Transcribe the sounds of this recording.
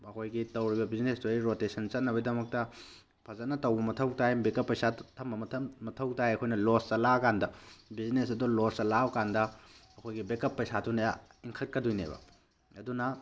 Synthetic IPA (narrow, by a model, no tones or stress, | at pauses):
ɐkʰojɡitɐwɾibɐbiznestuiɾotesɐnt͡ʃɐt̚nːɐbɐdɐmɐk̚tɐ | pʰɐzɐnɐtɐwbɐmɐtʰɐwtʰajbekɐpːɐjsatʰɐmbɐmɐtʰmɐtʰɐwtʰajɐkʰojnɐlosɐlakandɐbiznesɐdolostɐlawkandɐɐkʰojɡibekɐpːɐjsatʰunɐjaiŋkʰɐt̚kɐdujnḛbɐ̰ | ɐdunɐ